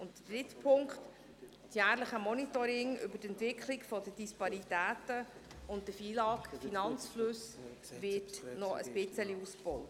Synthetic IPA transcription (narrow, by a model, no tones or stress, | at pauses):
ʊntd̥ədɾɪtpʰʊŋkt | sjæːɾləχəmɔnitɔɾɪŋʏ̰bətɛntvɪkʰlɪɡfɔdədispɑɾitæːtəʊntdəfiːlɑːkfinɑnt͡sflɵs | vɪtnɔə̰sb̥ɪt͡səliusbɔw